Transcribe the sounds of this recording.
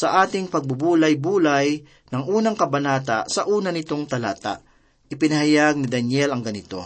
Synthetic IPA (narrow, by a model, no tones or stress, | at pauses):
sɐʔaːt̪ɪŋpɐɡ̚bʊbuːlɐjbuːlaj | nɐŋʔuːnɐŋkɐbɐnaːt̪̬a̰sɐʔuːnɐnɪt̪o̞ŋt̪ɐla̰ːt̪a̰ʔ | ʔɪpɪnɐɦajaɡ̚nɪd̪ɐnjɛlɐŋɡɐnɪt̪o̞̰